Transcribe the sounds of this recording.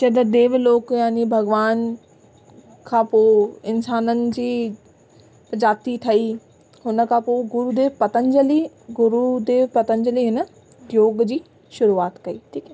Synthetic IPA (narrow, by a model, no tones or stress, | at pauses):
t͡ɕɐd̪əd̪eːʋloːkjaːnibʱɐɡʋaːn | kʰãːpoːɪnsaːnənɪ̆d͡ʑiː | pəd͡ʑaːt̪it̪ʰɐi | ɦʊnə̆kʰãːpoːɡʊɾud̪eːʋpɐt̪ə̃nd͡ʑəli | ɡʊɾud̪eːʋpɐt̪ə̃ɲd͡ʑəliɦɪnə | d̪joːɡd͡ʑiː | ʃʊɾuaːt̪kɐiːʈʰiːkɛ